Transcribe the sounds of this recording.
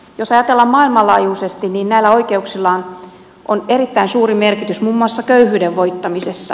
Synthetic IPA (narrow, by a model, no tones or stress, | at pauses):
josɑjɑt̪elːɑmmɑːilmɑlɑ̰ːjuːsest̪inniːnnæilːæoikeuksilːɑːn | ʔonerit̪ːæinsuːrimerkit̪ysmumːuɑˑsːɑkøyhyːdeʋʋoit̪ːɑmisesːɑ̰